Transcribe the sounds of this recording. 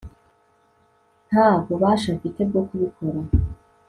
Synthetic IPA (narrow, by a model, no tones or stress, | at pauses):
n̥haːbɡo̞βaːʃakiteb̚ɡo̞kuβikʰo̞ɾa